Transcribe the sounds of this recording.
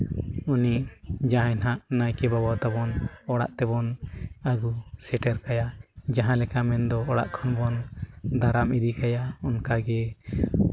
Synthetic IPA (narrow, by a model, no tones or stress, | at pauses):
unid͡ʒaɦɛnɦaʔnajkɛbabawt̪abɔnɔɽa̰ʔt̪ɛbɔnaɡusɛʈɛɾkajad͡ʒaɦãlɛkamɛnd̪ɔɔɽa̰ʔkʰɔnbɔnd̪aɾamid̪ikajaɔnkaɡɛ